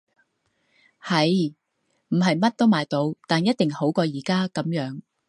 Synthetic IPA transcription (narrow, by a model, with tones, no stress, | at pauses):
hɐ˨˧j | m̩˨˩ɦɐ˨jmɐ˥t̚t̪o˥wmaː˨jt̪o˨˧wt̪aː˨njɐ˥t̚t̪ɪ˨ŋho˨˥wkɔː˧jiː˨˩kaː˥kɐ˨˥mjœː˨˥ŋ